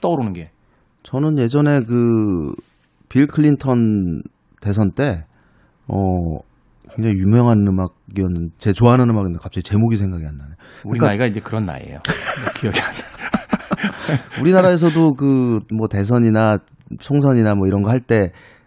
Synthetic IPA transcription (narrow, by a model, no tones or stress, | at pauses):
t͈ʌɾonɯnɡe̞ | t͡ɕʌnɯnje̞d͡ʑʌne̞k̬ɯ | piɭkʰɯɭːintʰʌn | te̞s̬ʰʌnt͈e̞ | ʌ̰ | ke̞ŋd͡ʑaŋijumjʌŋɦanɯmaɡ̚ɡiʌnːɯndt͡ɕe̞t͡ɕoaɦanɯnɯmaɡindekapt͡ɕ͈iit͡ɕe̞moɡisʰe̞ŋɡaɡiandane | uikaaiɡaid͡ʑe̞kɯɾʌnːa̰ḛjo̰kʰejʌɡian | uɾinaɾae̞s̬ʰʌdokɯmʌte̞s̬ʰʌɲina | t͡ɕʰoŋsʰʌɲinamwʌiɾʌnɡʌɦhaɭt͈e̞